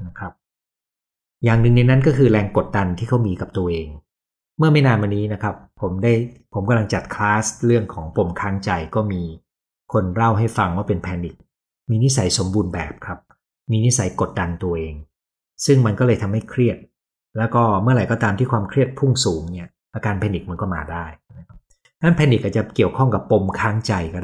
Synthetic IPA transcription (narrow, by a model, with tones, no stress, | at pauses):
na˦˥kʰɾa˦˥p̚ | jaː˨˩ŋnɯ˨ŋna˧jna˦˥nkɔː˥˩kʰɯː˧ɾɛː˧ŋko˨˩t̪̚da˧nt̪ʰiː˥˩kʰa˥wmiː˧ka˨˩p̚t̪u˧ɐʔeː˧ŋ | mɯ˥˩ɐma˥˩jnaː˧nwa˧nːiː˦˥na˦˥kʰɾa˦˥pʰːo˩˦mdaː˥˩jpʰo˩˦mka˧mla˧ŋt͡ɕa˨˩t̪̚kʰlaː˦˥sɾɯ˥˩əŋkʰɔː˩˦ŋpo˨˩mkʰaː˦˥ŋt͡ɕa˧jkɔː˥˩miː˧ | kʰo˧nɾa˥˩wɦa˥˩jfa˧ŋwaː˥˩pe˧npʰɛː˧nːi˨˩k̚ | miː˧ni˦˥sa˩˦jso˩˦mbuː˧nbɛ̰ː˨˩p̚kʰɾa˦˥p̚ | miː˧ni˦˥sa˩˦jko˨˩t̪̚da˧nt̪u˧ɐʔeː˧ŋ | sɯ˥˩ŋma˧nkɔ˥˩lɤː˧jt̪ʰa˧mha˥˩jkʰɾi˥˩ət̪̚ | lɛː˦˥wkɔː˥˩mɯ˥˩ɐɾa˨˩jkɔ˥t̪aː˧mt̪iː˥˩kʰwaː˧mkʰɾi˥˩ət̪̚pʰu˥˩ŋsuː˩˦ŋni˥˩ɐ | ʔaː˧kaː˧npʰɛː˧ni˨˩k̚ma˧nkɔː˥˩ma̰ː˧daː˥˩jna˦˥kʰa˦˥p̚ | nʰa˦˥˩pʰɛː˧ni˨˩k̚ʔa˨˩t͡ɕa˨˩ki˨˩əwkʰɔ˥˩ŋka˨˩pːo˧mkʰaː˦˥ŋt͡ɕa˧jkɔː˥˩